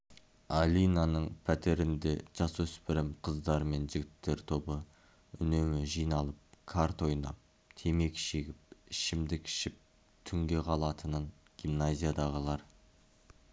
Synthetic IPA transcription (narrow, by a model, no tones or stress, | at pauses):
alʲijnanəɴpʰæt̪e̞ɾɪnd̪e̞ʒ̥ɑsɵspɪɾɪmqʰəzd̪ɑɾme̞nʒɪɡʲɪt̚t̪ːe̞ɾt̪ʰo̞bə | ʏ̰ne̞mɪʒijnɑlˠəp̚kʰaɾt̪o̞jnɑ̰p̚ | t̪ʰe̞me̞kʲʃe̞ɡʲɪp̚ɪʃɪmd̪ɪkʲʰɪ̥ʃɪp̚ | t̪ʰʏŋɡʲe̞qʰɑlˠɑt̪ʰənəɴ | ɡ̥ʲimnazʲijad̪ɑʁəlˠɑɾ